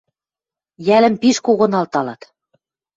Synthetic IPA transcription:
jælɘ̆mpiʃkoɣɤ̆nɑlt̪ɑlɑt̪

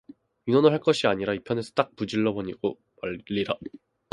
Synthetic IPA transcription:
ɥinwʌnɯɭɦaɭk͈ʌɕʰiaɲiɾaipʰjʌne̞sʰʌ̥t͈ak̚pud͡ʑiɭːʌboɲiɡo | maːiɾa

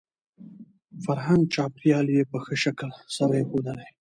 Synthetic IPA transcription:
faɾɦan̚t͡ʃɑːpjɑljepəxəʃaklsaɾajexod̪əla

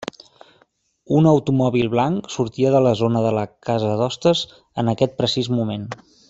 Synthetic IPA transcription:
unəwt̪umɔβilˠβlaŋksuɾt̪iəðələzonəðələkazəðɔst̪əz | ənəkɛt̪̚pɾəsizmumen

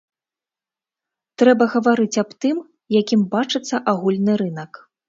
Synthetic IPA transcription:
t̪ɾɛbɐɣɐvaɾɨt͡sʲabt̪ɨm | jakʲimbat͡ʂɨt̪sːɐʔaɣulʲnɨɾɨnɐk

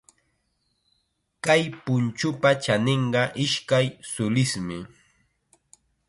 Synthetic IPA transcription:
kajpʊnt͡ʃʊpat͡ʃaneɴɢɑʔɪʃkajsʊlɪsmɪ

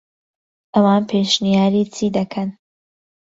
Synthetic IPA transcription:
ʔɐwaːnpʰeʃnijaːɾiːt͡sʰiːd̪ɐkʰɐn

